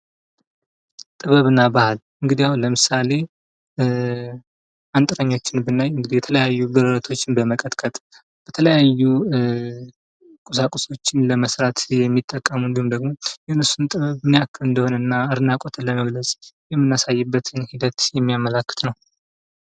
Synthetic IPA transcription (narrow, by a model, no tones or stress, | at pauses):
t̪ʼɨβəβɨnːabahalʔɨŋɡɨd̪ijahunləmɨsale̞ | ant̪ʼɨɾəɲːo̞t͡ʃːɪnbɨnːajɨŋɡɨd̪ijɛt̪ʰələjajːuɡəɾəɾət̪ʰo̞t͡ʃːɪnbəməkʼət̪kʼət̪ʼ | b̥ət̪ʰələjajːu | kʼusakʼuso̞t͡ʃːɪnləməsɾat̪jɛmːit̪ʼːəkʼːəmɨnd̪ihumd̪əɡmo̞jɛhɨnɨsunt̪ʼɨβəβmniakʰːɨɨnd̪əhonəɨnːaɨɾɨnakʼot̪ʰlːəməɡləsʼjɛmːɨnːasajːɨbːət̪ʰɨnhid̪ət̪jɛmːijamːəlakːɨ̥t̪nəw